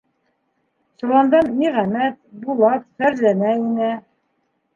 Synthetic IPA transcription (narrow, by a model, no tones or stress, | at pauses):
sŭlˠɑnd̪ɑnmiʁæmæt̪̚bulˠɑt̪fæɾzænæinɘ